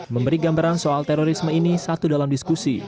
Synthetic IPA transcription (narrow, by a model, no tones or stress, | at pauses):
məmbəɾiɡambaɾansoalt̪eɾoɾisməinisat̪udalamdiskusi